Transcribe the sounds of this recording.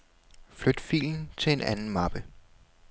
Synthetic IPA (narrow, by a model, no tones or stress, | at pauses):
flød̥fḭːln̩t͡sʰe̝e̝nʔænn̩mɑb̥ə